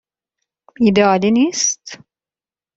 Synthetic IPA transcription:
id̪aːlinist̪

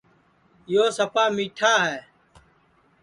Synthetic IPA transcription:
ɪjoːsəpaːmiːʈʰaːɦɛː

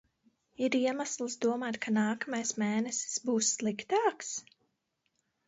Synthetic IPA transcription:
iɾiɛmaslˠsd̪uɔmaːt̪kʰanaːkamajsmeːnɛsi̥sbuːsːlˠikt̪aːks

